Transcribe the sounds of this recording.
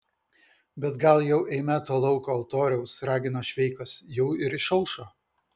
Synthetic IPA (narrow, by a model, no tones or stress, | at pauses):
bʲɛt̪ɡɐlˠjɛʊʔɛɪmʲæːt̪oːlˠɒʊkoːɐlˠt̪oːɾʲɛʊsɾɑːɡʲɪnoːʃʲʋʲɛɪkɐsjɛʊɪɾɪʃɐlˠʃoː